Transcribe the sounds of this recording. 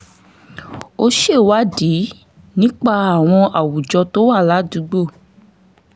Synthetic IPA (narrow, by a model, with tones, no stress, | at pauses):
o˧ʃe˦˨wa˦di˨˦ | nĩ˦k͡pa˦˨a˨w̃ɔ̃˧ʔa˨wu˨d͡ʒɔ˧to˦wa˦˨la˦du˨˧˦ɡ͡bo˦˨